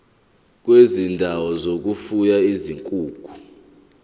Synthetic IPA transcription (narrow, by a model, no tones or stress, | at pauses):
k̬wezindʱawɔzok̬ufujaiziŋkʼuːkʰu̥